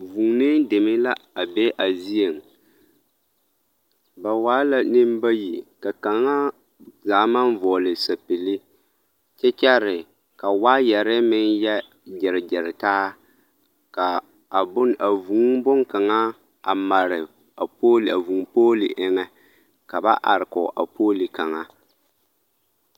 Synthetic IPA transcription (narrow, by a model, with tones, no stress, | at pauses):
vu˨ŋnɪ˦ndɪ˨mɪ˦la˦a˨bɛ˦ʔa˨zi˦e˨ŋ | ba˨waː˦la˦nɪ˦m˦ba˦ji˨ka˨ka˨ŋa˦ | zaː˨˦ma˦nvɔː˨lɪ˨sa˨pɪ˨lɪ˦ | t͡ʃɛ˦t͡ʃɛ˦ɾɪ˨ | ka˨waː˦jɛ˨ɾɪ˦mɪ˦njɛ˦ | d͡ʒɪ˨ɾɪ˨d͡ʒɪ˨ɾɪ˨taː˦ | ka˨ | a˨bʊ˦n˨ʔa˨vu˨˦ŋbʊ˦ŋka˨ŋa˦ | a˨ma˨ɾɪ˨ | a˨poː˦la˨vu˨ŋpoː˦li˨ʔɪ˦ŋɛ˦ | ka˨ba˦ʔa̰˨ɾɪ˨kɔ̰˨ʔa̰˨pʰoː˦li˨ka˨ŋa˦